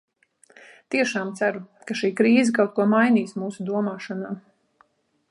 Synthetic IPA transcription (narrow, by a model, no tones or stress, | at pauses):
t̪iɛʃaːmt̪sæɾukaʃiːkɾiːzɛkawt̪kuɔmajniːsmuːsud̪uɔmaːʃanaː